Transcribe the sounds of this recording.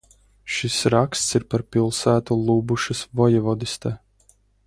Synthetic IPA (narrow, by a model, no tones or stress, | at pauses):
ʃisɾakst̪siɾpaɾpilˠsæːt̪ulˠuːbuʃɨsvɔjɛvɔd̪ist̪ɛː